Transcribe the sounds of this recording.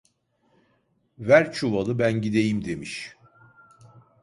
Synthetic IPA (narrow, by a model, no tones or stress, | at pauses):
væɾt͡ʃʰuvalˠɯbænɟid̪e̞jimd̪e̞miʃ